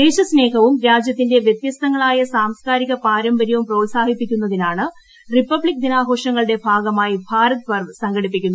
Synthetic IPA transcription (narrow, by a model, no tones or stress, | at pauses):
eːɕɐsne̞ːkɐʋumɾaːd͡ʑjɐt̪ːinde̞ʋjet̪jɐst̪ɐŋːɐɭaːjɐsaːmskaːɾiɣɐpaːɾɐmbɐɾjɐʋumprɐʋsaːhipːikʲːunːɐðinaːɳɨ | ripːɐbɭik̚d̪inaːɡo̞ːʂɐŋːɐɭɨɽe̞bʱaːɡɐmaːjibʱaːɾɐt̪pɐrʋsɐŋɡɐɽipːikʲːunːu